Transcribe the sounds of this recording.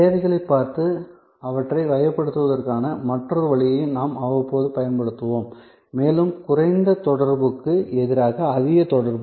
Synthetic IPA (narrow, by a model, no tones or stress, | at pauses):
eːʋɐɪɣɐɭɐɪpːaːɾt̪ɯ | ɐʋɐʈrɐɪʋɐjɐpːɐɽɯt̪ːɯʋɐðɐrkaːnɐmɐʈrɐɾɯʋɐɭɪjɐɪnaːmɐʋɐpoːðɯpɐjɐnpɐɽɯt̪ːɯʋoːmː | eːlɯmkʊrɐɪnd̪ɐt̪ɔɽɐɾbɯkːɯɛðɪɾaːɣɐːðɪɣɐt̪ɔɽɐɾbɯ